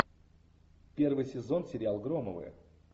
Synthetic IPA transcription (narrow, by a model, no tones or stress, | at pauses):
pʲe̞rvɨjsʲɪzo̞nsʲɪɾʲɪalˠɡɾoməvɨ̰jə̰